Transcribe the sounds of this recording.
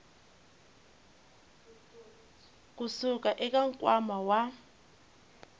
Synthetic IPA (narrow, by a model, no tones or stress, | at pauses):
k̬ʼusuk̬ʼaʔɛk̬ʼaŋkʼwamawa